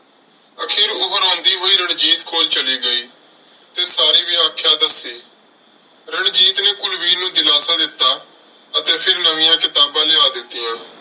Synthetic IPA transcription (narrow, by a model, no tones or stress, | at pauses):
əkʰeːɾoːbəɾõːnd̪iːɦoːiːɾəɳd͡ʒiːt̪kʰoːlt͡ʃəliːɡəiː | t̪eːsaːɾiːʋɪaːkʰjaːd̪əseː | ɾəɳd͡ʒiːt̪neːkʊlʋiːnũːd̪ɪlaːsãːd̪ɪt̪ːaː | ət̪eːpʰɪɾnəʋɪ̃ːjãːkɪt̪aːbãːlɪaːd̪ɪt̪ːijãː